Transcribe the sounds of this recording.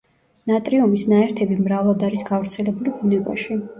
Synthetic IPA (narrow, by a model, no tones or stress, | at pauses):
nat̪ʼɾiɔmisnaɛɾt̪ʰɛbimɾavlˠad̪aɾisɡavɾt̪sʰɛlɛbulibunɛkʼwa̰ʃi